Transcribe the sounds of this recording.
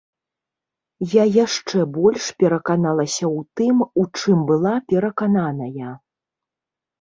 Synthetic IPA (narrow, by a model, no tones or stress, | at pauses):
jajaʂt͡ʂɛbɔlʲʂpʲɛɾɐkanalˠɐsʲɐwt̪ɨmut͡ʂɨmbɨlˠapʲɛɾɐkananɐjɐ